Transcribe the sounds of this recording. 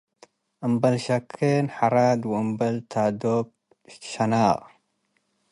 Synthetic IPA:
ʔɨmbɐlʃɐkʰːenħaɾad̪wɨʔɨmbɐlt̪ʰad̪ob̚ | ʃɐnaːʔʼ

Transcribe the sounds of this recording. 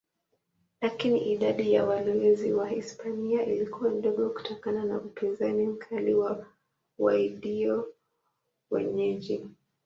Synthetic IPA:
lakiniʔiɗaɗijawalɔɛziwahispʰaniaʔilikuwam̩ɗɔɠɔku̥tɔkananaʔupinzanim̩kʰaliwa | waiɗiɔ | wɛ̰ɲɛʄi

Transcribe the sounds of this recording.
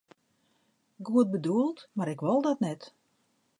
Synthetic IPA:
ɡuət̚bəduəlˠtmaɾɪkʋɔlˠdɔtnɛt

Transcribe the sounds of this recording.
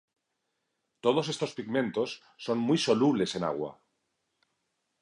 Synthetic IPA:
t̪o̞ð̞o̞s̬e̞st̪o̞spiɣmẽ̞nt̪o̞sːo̞nmujso̞luβle̞se̞na̰ɣ̞wa̰

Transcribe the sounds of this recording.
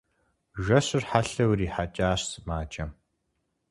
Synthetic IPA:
ʒʷɐɕɨrħaɬɐwriːħat͡ʃʼaːɕsmaːt͡ʃʼɐm

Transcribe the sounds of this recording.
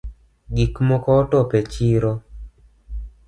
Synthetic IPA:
ɡikmɔkɔːtɔpet͡ʃiɾo

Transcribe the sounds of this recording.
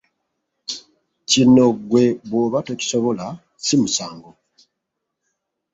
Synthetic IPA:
cinoɡwe̞βwoβatoci̥so̞βo̞la | simusaːŋɡo

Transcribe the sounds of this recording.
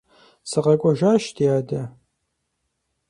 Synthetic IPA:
sɨqɐkʷʼɔʒaːʃtʰijaːdɐ

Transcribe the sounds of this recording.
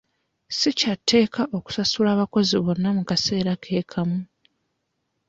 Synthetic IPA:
sicatʰːe̞ːkʰaʔo̞ku̥sasulaːβako̞ziβo̞nːamukase̞ːɾakʰe̞ːkʰamu

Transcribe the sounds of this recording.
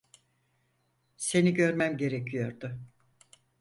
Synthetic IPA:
se̞niɟø̞ɾmæmɟe̞ɾecʰijoɾd̪ʊ

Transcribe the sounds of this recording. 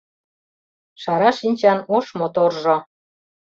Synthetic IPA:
ʃɑɾɑʃinʲt͡ɕɑnoʃmot̪orʒɤ̆

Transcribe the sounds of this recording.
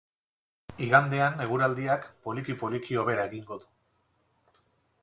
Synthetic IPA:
iɣand̪e̞ane̞ɣ̞uɾald̪iakpo̞likipo̞likio̞βe̞ɾae̞ɣiŋɡo̞ðu

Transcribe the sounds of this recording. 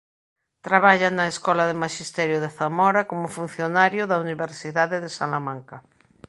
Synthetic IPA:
t̪ɾaβaʎanaeskɔlaðemaʃist̪ɛɾjoð̞eθamɔɾakomofun̟θjonaɾjoðauniβeɾsiðaðeðesa̰lamãŋka

